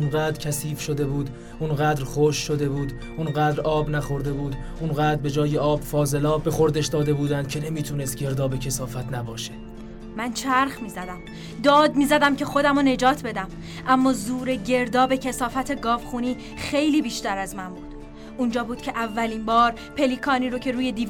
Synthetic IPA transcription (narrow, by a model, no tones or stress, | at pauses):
unɢæːd̪ɾcʲʰæsiːfʃo̞d̪e̞buːd̪ | unɢæːd̪ɾχoʃːod̪e̞buːd̪ | ʔunɢæːd̪ɾɒːbnæχo̞ɾd̪e̞buːd̪ | ʔunɢæːd̪ɾbe̞d͡ʒɒːjeʔɒːb̥fɒːze̞lɒːbe̞xo̞ɾd̪eʃd̪ɒːd̪e̞buːd̪ænd̪̚cʰe̞ne̞miːt̪ʰuːne̞st̪̚ɟe̞ɾd̪ɒːbe̞cʰesɒːfæt̪ʰnæbɒːʃe̥ | mænt͡ʃʰæɾχmiːzæd̪æm | d̪ɒːd̪miːzæd̪æmcexo̞d̪æmone̞d͡ʒɒːt̪ʰbe̞d̪æm | ʔæmːɒːzuːɾe̞ɟe̞ɾd̪ɒːbe̞cʰesɒːfæt̪ʰe̞ɡɒːvχuːniː | xejliːbiːʃt̪æɾæzmæmbuːd̪̥ | ʔund͡ʒɒːbuːd̪̥cʲʰe̞ʔævːæliːmbɒːɾ | pʰe̞liːkʰɒːniːɾocʰe̞ɾuːje̞d̪iː